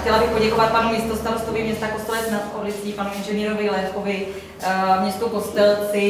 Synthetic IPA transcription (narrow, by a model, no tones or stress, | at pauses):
xcɛlabɪxpo̞ɟɛko̞vat̪̚panumɪst̪ost̪aɾost̪ovɪmɲɛst̪akost̪ɛlɛt͡snat̪ʔoblɪt͡siːpanuɪnʒɛniːɾovɪlɛkovɪ | mɲɛst̪uko̞st̪ɛlt͡sɪ